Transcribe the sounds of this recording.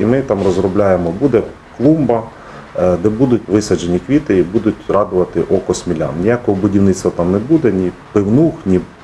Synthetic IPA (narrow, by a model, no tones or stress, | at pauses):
imɪt̪ɑmrɔzɾɔblʲajemɔbud̪ɛ | klˠumbɐ | d̪ɛbud̪ʊtʲʋɪsɐd͡ʒenʲikʋʲit̪ɪibud̪ʊtʲrɑd̪ʊʋɐt̪ɪʔɔkɔsmʲilʲa̰nnʲijakɔɦɔbʊdʲiwnɪt͡ssʲt̪ʋɐt̪ɑmnebud̪ɛnʲipɪwnuxnʲi